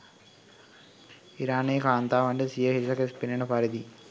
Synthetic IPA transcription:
iɾaːneːkaːnt̪aːʋɐɳɖesijɐɦisɐkespinɐnɐpaɾid̪i

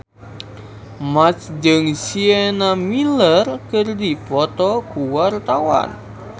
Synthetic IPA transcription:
mat͡ʃd͡ʒɨŋsienamilərkərdipɔt̪ɔkuwart̪awa̰n

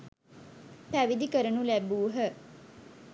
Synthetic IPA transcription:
t̪æʋid̪ikəɾənulæbuːɦə

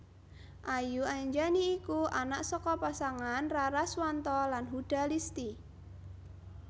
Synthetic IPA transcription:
ʔajuaɲd͡ʒaniːkuanaʔsɔkɔpasaŋanraɾaswant̪ɔlanɦud̪̥a̤list̪i

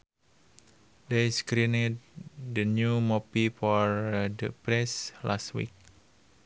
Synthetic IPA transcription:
deskɾinet̚dənjumɔpifɔɹdəpɾɛslastwḭk̚

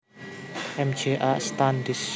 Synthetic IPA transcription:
ʔɛmd͡ʒeʔast̪and̪is

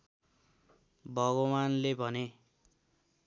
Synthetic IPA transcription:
bʱʌɡowanlebʱʌne

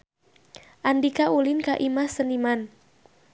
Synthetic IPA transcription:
ʔandikaulinkaʔimasəniman

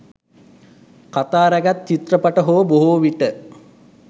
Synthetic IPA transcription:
kat̪aːɾæɡat̪t͡ʃit̪rəpaʈəɦoʋəboɦuʋiʈə

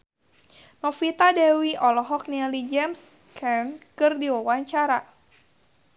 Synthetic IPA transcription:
nɔfit̪adɛwiʔɔlɔɦɔk̚nilid͡ʒɛms | kʰɛnkɨrdiwawaɲt͡ʃaɾa

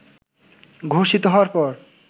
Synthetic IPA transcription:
ɡʱoʃit̪oɦɔaɾpɔɾ

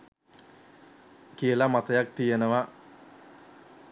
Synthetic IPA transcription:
kijəlamat̪ɐjak̚t̪ijenəʋa

